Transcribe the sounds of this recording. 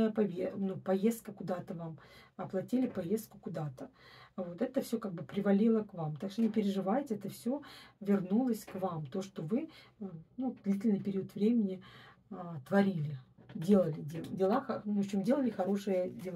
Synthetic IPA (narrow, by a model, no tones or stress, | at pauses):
əjəpɐvʲenupɐjest̪̚kəkʊd̪at̪əvamɐplˠɐtʲilʲɪpɐjest̪̚kʊkʊd̪at̪əvo̞t̪ɛt̪əfsʲokaɡ̚bɨpɾʲɪvɐlʲilˠəkvamt̪akʂt̪onʲɪpʲɪɾʲɪʐɨvajɪtʲɪɛt̪əfsʲɵvʲɪrnulˠəsʲkvamt̪o̞ʂt̪o̞vɨ | nud̥̪lʲitʲɪlʲnɨɪjpʲɪɾʲiut̪vɾʲemʲɪnʲɪ | t̪vɐɾʲilʲɪdʲelˠəlʲɪdʲedʲɪlˠaxɐoɕɪmdʲe̞lˠəlʲɪxɐɾo̞ʂɨjədʲɪlˠ